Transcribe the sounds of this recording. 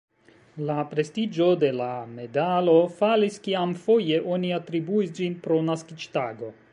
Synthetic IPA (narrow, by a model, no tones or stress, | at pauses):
lapɾe̞stid͡ʒo̞de̞lame̞dalo̞faliskiamfo̞je̞ʔo̞niatɾibuis̬d͡ʒinpɾo̞naskit͡ʃtaɡo̞